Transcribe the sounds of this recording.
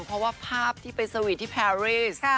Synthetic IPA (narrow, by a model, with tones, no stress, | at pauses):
ŋpʰɾɔ˦˥waː˥˩pʰaː˥˩p̚t̪ʰiː˥˩pa˧jsa˧wi˨˩t̪ʰːi˥˩pʰɛː˧ɾiː˥˩s